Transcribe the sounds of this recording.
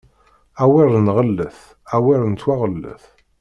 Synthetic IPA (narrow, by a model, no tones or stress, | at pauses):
æwɪɾˤənʁəlːəθ | æwɪɾˤənt̪waʁəlːə̰θ